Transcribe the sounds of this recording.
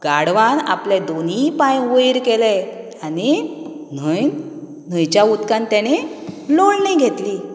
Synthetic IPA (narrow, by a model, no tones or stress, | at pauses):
ɡaɽʋana̰pled̪onipãjʋəjɾkele | ani | nə | n̤əjt͡ɕjaut̪kãnt̪aneloɭnĩɡʱet̪liː